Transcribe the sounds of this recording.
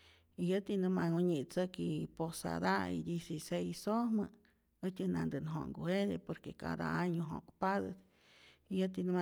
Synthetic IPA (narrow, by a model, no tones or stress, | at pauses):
ijət̪inɨmaŋuɲit͡səkiposa̰d̪aḭd̪isisejsohmə | ət͡ʃʲɨnand̪ɨnɦo̰ŋɡuhed̪epoɾkeka̰d̪a̰aɲoɦo̰kpad̪ət̪ | ijət̪inɨma